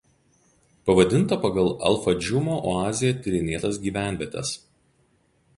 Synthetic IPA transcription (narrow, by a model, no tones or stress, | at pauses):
pɐʋɐd̪ʲɪnˑt̪ɐpɐɡɐlˠɐ̰lˠfɐd͡ʒʲʊmoːʔoɑːzʲɪjɛt̪ʲɪɾʲɪnʲeːt̪ɐs̬ɡʲiːʋʲæˑnʲʋʲɛt̪ʲɛ̰s